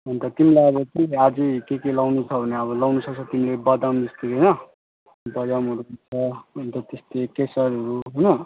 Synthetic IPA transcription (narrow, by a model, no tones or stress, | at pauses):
ɦʌnt̪ʌt̪imilaeʌβʌtiad͡zikekelawnut͡sʰʌbʱʌneʌβʌlawnusʰʌkt͡sʰʌt̪imilebʌd̪amd͡zʌst̪ekʌjnʌ | bʌjamɦʌɾuʌt͡sʰʌʌnt̪ʌt̪est̪ekesʌɾɦʌɾuɦojnʌ